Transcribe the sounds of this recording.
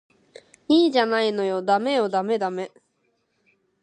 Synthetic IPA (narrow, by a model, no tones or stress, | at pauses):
iːʑanaino̞jo̞d̪ame̞jo̞d̪ame̞d̪ame̞